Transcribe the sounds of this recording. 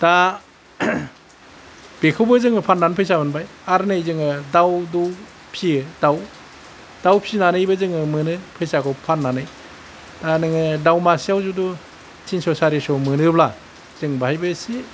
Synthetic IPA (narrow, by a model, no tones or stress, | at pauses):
d̥a | b̥ekʰɯwbɯzɯŋɯpʰanːanpʰɯjsabɯnbajaɾnɯjzɯŋɯdawdu | pʰiɯdaw | d̥awpʰinanɯjbɯzɯŋɯmɯnɯpʰɯjsakɔpʰanːanɯj | d̥anɯŋɯdawmasijawzudu | tʰinsɔsaɾisɔmɯnɯbla | z̥ɯŋbahajbɯsi